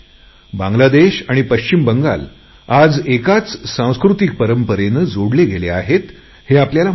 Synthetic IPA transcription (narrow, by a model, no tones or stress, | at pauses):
bãŋɡlad̪eɕaɽ̃ipəɕt͡ɕimbəŋɡa̰l | ad͡zekat͡ssãw̃skɾut̪ik̚pəɾəmpəɾenəd͡zoɽleɡelea̰ɦet̪ | heapljala